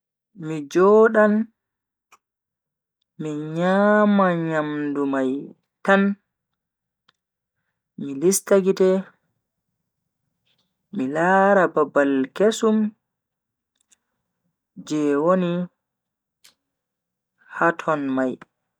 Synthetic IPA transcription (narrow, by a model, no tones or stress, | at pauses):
mid͡ʒɔːɗan | miɲaːmaɲamdumaj | tan | milistaɡitɛ | ilaːɾababalkesum | d͡ʒɛwoni | hatʰɔnmaj